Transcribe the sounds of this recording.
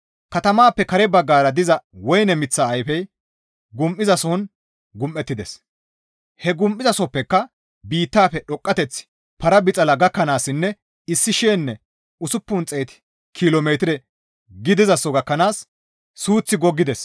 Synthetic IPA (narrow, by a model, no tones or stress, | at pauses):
kɐt̪ɐmaːpːɛkɐɾɛbɐɡːaːɾɐd̪ɪzɐwɔjnɛmɪt͡sːaːjfɛj | ɡʊmʔɪzɐsɔn | ɡʊmʔːɛt̪ːɪd̪ɛs | hɛɡʊmʔːɪzɐsɔpːɛkːɐ | biːt̪ːaːpːɛɗɔkʼːɐt̪ɛt͡sːɪ̥ | pɐɾɐbɪt͡sʼɐlɐɡɐkːɐnaːsːɪnːɛ | ɪsːɪʃeːnːɛ | ʊsʊpːʊnt͡sʼeːt̪ɪ̥ | kʰɪlomeːt̪ɪɾɛ | ɡɪd̪ɪzɐsɔɡɐkːɐnaːsː | uːt͡sːɪɡɔɡːɪd̪ɛs